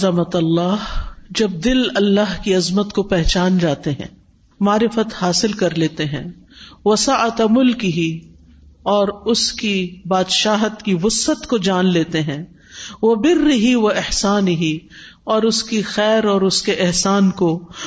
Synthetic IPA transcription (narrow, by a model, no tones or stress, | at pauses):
zɐmət̪ɐlːaːɦd͡ʒɐb̚d̪ɪlɐlːaɦkiɐzmət̪kopɛɦt͡ʃaːnd͡ʒaːt̪eɦɛ̰̃ː | maːɾɪfət̪haːsɪlkɐɾleːt̪eɦɛ̰̃ːʋɐsaʔɐt̪mʊlkiɦi | ɔːɾʊskibaːd̪ʃaːɦət̪kiʋʊsət̪kod͡ʒaːnleːt̪eɦɛ̃ː | ʋɐbɪrːɪɦiʋɐɪhsaːnɪɦiɔːɾʊskixɛːɾɔːɾʊskeʔɪɦsaːnko